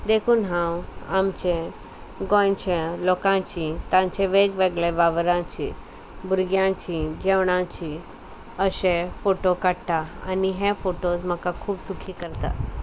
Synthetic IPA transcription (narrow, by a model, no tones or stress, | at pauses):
d̪ekʰuːnɦãwamt͡ɕẽ | ɡɔ̃t͡ɕẽlɔkãt͡ɕit̪ãɲt͡ɕẽʋeɡʋeɡɭeʋaʋəɾãt͡ɕḭ | buɾɡjãt͡ɕid͡ʑeʋɽ̃ãt͡ɕi | əɕẽfoʈokaɽt̪aa̰niɦefoʈosm̤əkakʰuːbsukʰiːkəɾt̪a̰